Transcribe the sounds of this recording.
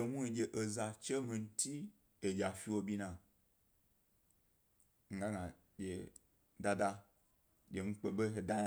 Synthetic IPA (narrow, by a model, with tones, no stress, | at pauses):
e˧nũ˦i˧d͡ʒʲe˧˨ʔe˨za˧t͡ʃe˦mĩ˧n̩˦tʰi˦ | e˨d͡ʒʲa˨fi˧wo˧bʲi˦nã˨ | ŋ̩˦ɡa˦ŋã˨ | d͡ʒʲe˨ | da˧da˧ | d͡ʒʲe˨ŋ̩˦k͡pe˧ɓe˦ɦe˨da˦